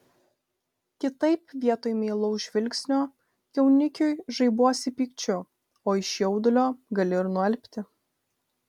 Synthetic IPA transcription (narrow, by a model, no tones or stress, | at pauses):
kʲɪt̪ɐɪpʋʲiɛt̪oːjmʲeːlˠɔʊʒʲʋʲɪlʲksʲnʲoː | jɛʊnʲɪkʲʊjʒɐɪbuɔsʲɪpʲiːkt͡ʃʲʊ | oːɪʃjɛʊd̪ʊlʲoːɡɐlʲɪɾnʊɛlʲpʲt̪ʲɪ